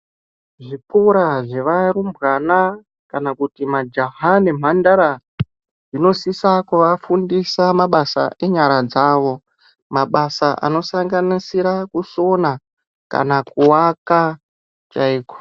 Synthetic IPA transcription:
ʐipuɾaʐe̞ʋaɾumbɣana | kanakutimad͡ʒaɦanem̤andaɾa | ʐino̞sisakuʋafundisamaɓasa̰ʔe̞ɲaɾad͡zaːʋo̞ | maɓasaʔa̰no̞saŋɡanisiɾakuso̞na | ka̰nakuwaka | t͡ʃaiːko̥

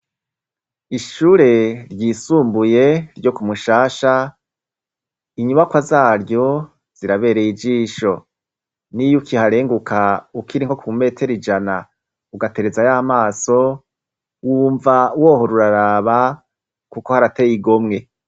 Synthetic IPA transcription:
iʃuɾe̞ɾɟiːsuːmbuje̞ɾɟo̞kumuʃaːʃa | iɲuβakwazaːɾjo̞ | z̥iɾaβe̞ːɾejid͡ʒiːʃo̞ | nijukihaɾe̞ːŋɡukʰaukʰiɾiŋ̥ho̞kuume̞tʰe̞ɾid͡ʒana | uɡate̞ɾe̞zajaːmaːso̞ | wuːɱvawo̞ɦo̞ɾuɾaɾaːβa | kuko̞haɾatejiɡo̞mŋe̞

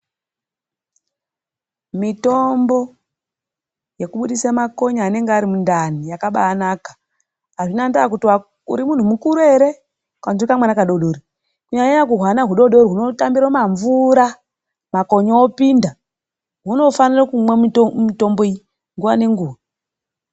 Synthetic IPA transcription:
mito̞mbo̞ | je̞kuɓuɗisamako̞ɲaːne̞ŋɡeaɾimundanijakaɓa̰ːnaːkḁ | aʐinandakutiwa | ṵɾimun̤umukuɾueɾe̞ | kanzikamwanakaɗoɗoːɾi | kuɲaɲaakuɦwanaɦuɗo̞ɗoɾɦuno̞tambiɾamaɱvuɾa | mako̞ɲoopinda | ɦuno̞fanirakumwemito̞mboi | ŋɡuʋane̞ŋɡuːwa

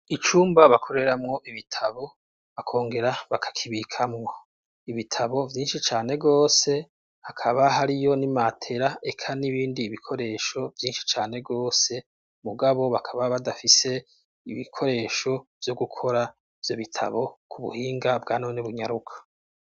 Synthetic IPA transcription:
it͡ʃuːmbaβakʰo̞ɾe̞ɾamŋo̞ʔiβitʰaβo̞ | akʰo̞ːŋɡe̞ɾaβakʰḁkʰiβikʰamŋo̞ | iβitʰaβo̞vjiːnʃit͡ʃaːne̞ɡo̞ːse̞ | hakʰaβaɦaɾijo̞nimatʰe̞ɾaʔe̞kʰaniβiːndiːβikʰo̞ɾe̞ːʃo̞vjiːnʃi̥t͡ʃaːne̞ɡo̞ːse̞ | muɡaβo̞βakʰaβaβadafise̞ | iβikʰo̞ɾe̞ːʃo̞v̥joɡukʰo̞ɾa | vjo̞βitʰa̰βo̞kʰuβṵhiːŋɡabɡaːnoneβuɲaɾukʰḁ

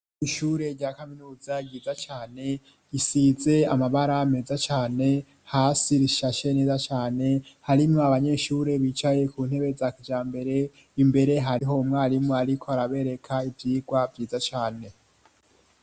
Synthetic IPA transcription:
iʃuːɾe̞ɾɟakaminuːzaɟiːzat͡ʃaːne̞ | isize̞amaβaɾame̞zat͡ʃaːne̞ | haːsiɾiʃaʃe̞ne̞ːzat͡ʃaːne̞haɾimoaβaɲe̞ʃuːɾe̞βiːt͡ʃaje̞kuːn̥he̞βe̞zakid͡ʒaːmbe̞ɾe̞ | imbe̞ɾe̞ɦaɾiɦo̞mŋaːɾimŋoaɾikʰo̞aɾaβe̞ɾe̞kʰaivjiːɡwavjiːzat͡ʃaːne̞

